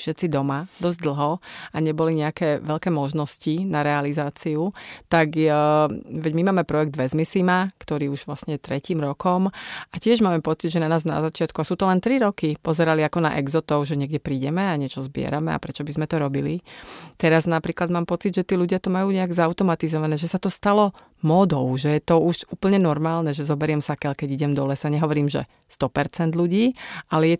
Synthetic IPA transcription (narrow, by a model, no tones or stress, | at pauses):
fʃɛt̪t͡sid̪ɔmad̪ɔzɟd̪l̩ˠɦɔaɲɛbɔliɲɛakɛːʋɛʎkɛːmɔʒnɔscinaɾɛalizaːt͡siut̪aɡ | ʋɛɟmimaːmɛpɾɔjɛɡ̚d̪ʋɛzmisimakt̪ɔɾiːuʒʋlasɲɛɛt̪ɾɛciːmɾɔkɔmacɪɛʒmaːmɛpɔt͡sid̪ʒɛnanaːzna̰zat͡ʃɪat̪kuasuːt̪ɔlɛnt̪ɾiɾɔkipɔzɛɾaliakɔna̰ʔɛɡzɔt̪ɔʊʒɛɲɪɛɡɟɛpɾiːɟɛmɛaɲɪɛt͡ʃɔzbɪɛ̰ɾamɛa̰pɾɛt͡ʃɔbizmɛt̪ɔɾɔbilit̪ɛɾaznapɾiːklad̪maːmpɔt͡sid̪ʒɛt̪iːluɟɪat̪ɔmajuːɲɛaɡzaʊt̪ɔmat̪izɔʋanɛːʒɛsat̪ɔst̪alɔ | mɔd̪ɔʊʒɛjɛt̪ɔuʃuːpl̩ɲɛnɔɾmaːlnɛʒɛzɔbɛɾɪɛmsakɛlkɛɟiɟɛmd̪ɔlɛsaɲɛɦɔʋɔɾiːmʒɛ̰ | st̪ɔpɛɾt͡sɛnd̪luɟiːʔalɛjɛ